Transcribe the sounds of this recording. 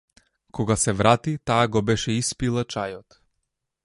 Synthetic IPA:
kɔɡasɛvɾat̪it̪aːɡɔbɛʃɛispilˠat͡ʃajɔt̪

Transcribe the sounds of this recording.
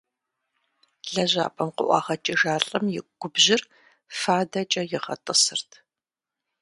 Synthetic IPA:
ɮɐʑa̰ːpʰʼɐmqʊʔʷɑ̰ːχɐt͡ʃʼiʒaːɬʼɐmjɪɡ̥ʷʊbʑɪr | faːdɐt͡ʃʼɐjɪʁɐ̰tʼɨsɨrtʰ

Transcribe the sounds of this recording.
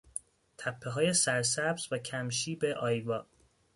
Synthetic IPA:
t̪ʰæpʰːe̞ɦɒːjesæɾsæbz̥væcʰæmʃiːbeʔɒːjvɒː

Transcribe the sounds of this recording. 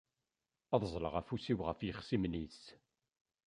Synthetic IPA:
ɑðˤzˤlə̰ʁæfusiwʁəfjəχsimnis

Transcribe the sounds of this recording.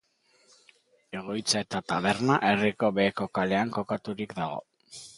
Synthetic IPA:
e̞ɣ̞o̞jt͡sae̞t̪at̪aβe̞ɾnaʔe̞riko̞βeːko̞kale̞aŋko̞kat̪uɾikd̪aɣ̞o̞̰

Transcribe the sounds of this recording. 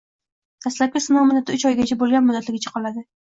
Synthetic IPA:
d̪̥ʰaslap̚kʲasɪnɒwmʊd̪ːat̪ʰʊt͡ʃɒjɡʲat͡ʃʰabolˠɡʲanmʊd̪ːat̪lɪɡʲɪt͡ʃʰḁqʰɒlad̪ɪ

